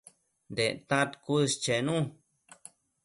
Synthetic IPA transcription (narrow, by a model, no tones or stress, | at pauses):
nd̪et̪ãt̪kust͡ʃenũ